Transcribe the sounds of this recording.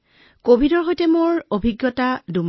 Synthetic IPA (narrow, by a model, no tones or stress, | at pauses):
kobʱidɔɹɦojtɛmoɹobʱiɡjɔtadum